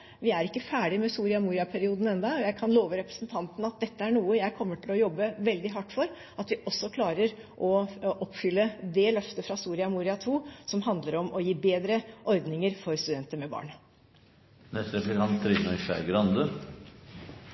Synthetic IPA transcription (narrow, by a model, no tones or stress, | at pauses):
ʋɪæɾɪkːəfæːɖɪmɛsuːɾɪɑmuːɾɪɑpʰæɾɪuːd̪n̩ɛnd̪ɑɔjæɪkʰɑnloːʋəɾɛpɾəsnt̪ʰɑnt̪n̩ɑt̪̚d̪ɛt̪ːəæɳuːəjæɪkʰɔmːəʈʰɪlɔjɔbːəʋɛld̪ɪɦɑʈːfɔɾ | ɑt̪ʋɪʔɔsːɔkʰlɑːɾəɾʔɔʔɔpfʏlːəd̪ɛlœft̪əfɾɑsuːɾɪɑmuːɾɪɑt̪ʰuːsɔmɦɑnd̪ləɾɔmɔjiːbeːd̪ɾəʔɔɾd̪nɪŋəɾfɔɾst̪ʉd̪ɛnt̪əmɛbɑ̰ːɳ | nɛst̪ɾɛplɪkʰɑnt̪ʰːɾɪsd̪nəʏʃæ̰ɾɡɾɑnd̪ə